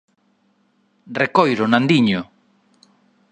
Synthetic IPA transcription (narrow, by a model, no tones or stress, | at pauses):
rekojɾʊnãnd̪iɲʊ